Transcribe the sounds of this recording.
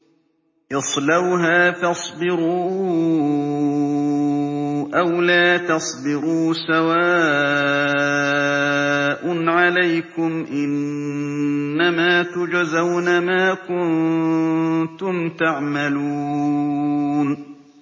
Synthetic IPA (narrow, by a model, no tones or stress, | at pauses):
ʔɨsˤlawɦaːfɑsˤbɪɾuː | ʔawlaːt̪ɑsˤbɪɾuːsawaː | ʔʊnʕalajkʊmʔɪn | amaːt̪ʊd͡ʒazawnamaːkʊn | t̪ʊmt̪aʕmaluː | n